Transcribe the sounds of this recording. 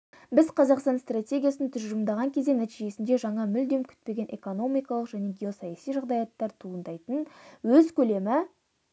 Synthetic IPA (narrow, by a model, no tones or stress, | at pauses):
bɪzqʰɑzɑqst̪ɑnst̪rat̪ʲe̞ɡʲijasnt̪ʰʏzʒəmd̪ɑʁɑŋkʲʰezd̪enæt̪iʒe̞sɪnd̪eʒɑɴɑmʏld̪e̞mkʲʰʏ̥t̪̚pe̞ɡʲe̞nʔe̞ko̞no̞mijkɑlˠəqʒæne̞ɡʲeo̞sɑjɑsijʒɑʁd̪ɑjɑt̪ːɑɾt̪ʰuənd̪ɑjt̪ənwɵzkʲʰɵle̞mɪ